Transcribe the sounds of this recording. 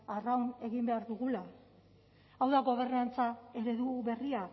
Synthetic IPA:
arawne̞ɣimbe̞aɾðuɣula | awðaɣo̞β̞e̞ɾnant͡sae̞ɾe̞ðuβe̞ria

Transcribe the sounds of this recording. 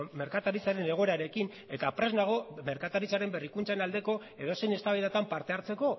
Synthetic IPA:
me̞ɾkat̪aɾit͡saɾe̞ne̞ɣ̞o̞eɾaɾe̞kin | e̞t̪apɾe̞znaɣ̞o̞me̞ɾkat̪aɾit͡saɾe̞mbe̞rikunt͡sanald̪e̞ko̞ | e̞ðo̞se̞jne̞st̪aβiðat̪ampaɾt̪e̞aɾt͡se̞ko̞

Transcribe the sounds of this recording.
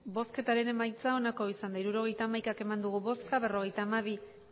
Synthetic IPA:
bo̞ske̞t̪aɾe̞ne̞majt͡sao̞nako̞isand̪aiɾuɾo̞ɣ̞e̞jt̪aːmajkake̞mand̪uɣ̞uβo̞skaβe̞ro̞ɣ̞e̞jt̪aːmaβ̞i

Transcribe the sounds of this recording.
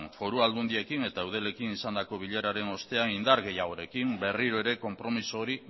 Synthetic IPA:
nfo̞ɾuald̪und̪ie̞kine̞t̪aewð̞e̞le̞kinisand̪ako̞β̞iʎe̞ɾaɾe̞no̞st̪e̞anind̪aɾɣe̞jaɣo̞ɾe̞kimbe̞riɾo̞eɾe̞ko̞mpɾo̞misoːɾi

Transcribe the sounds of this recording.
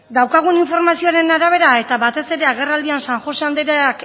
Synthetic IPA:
d̪awkaɣ̞uniɱfo̞ɾmasio̞aɾe̞naɾaβ̞e̞ɾae̞t̪aβat̪e̞se̞ɾe̞aɣe̞rald̪iansaŋxo̞seand̪eɾak

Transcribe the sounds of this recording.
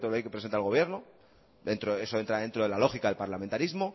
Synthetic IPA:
t̪olojkepɾesent̪alɣoje̞ɾno̞ | ðe̞nt̪ɾoe̞soe̞nt̪ɾaðent̪ɾoðelalo̞xikaðe̞lpaɾlame̞nt̪aɾizmo̞

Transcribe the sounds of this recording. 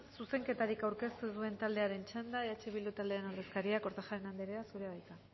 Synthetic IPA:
suse̞ŋke̞t̪aɾikawɾke̞st̪uðue̞nt̪ald̪e̞aɾe̞nt͡ʃand̪aeat͡ʃe̞βild̪ut̪ald̪eenoɾðe̞skaɾiako̞ɾt̪axaɾenand̪eɾeasuɾeβajt̪a

